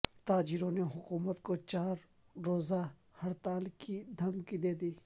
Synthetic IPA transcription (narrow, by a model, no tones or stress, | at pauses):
t̪aːd͡ʒɪɾõneɦʊkuːmət̪kot͡ʃaːɾ | ɾoːza | hɐɾt̪aːlkid̪ʱɐmkid̪eːd̪iː